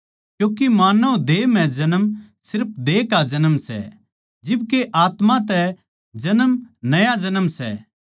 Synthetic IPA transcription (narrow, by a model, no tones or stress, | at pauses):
kjõːkimaːnəd̪eːm̤ɛ̃d͡ʒɐnəmsɪɾp̚ʰd̪eːkad͡ʒɐnəmsɛ̰ | d͡ʒɪb̚keʔaːt̪mãt̪ɛ | d͡ʒɐnəmnɐjad͡ʒɐnəmsɛ̰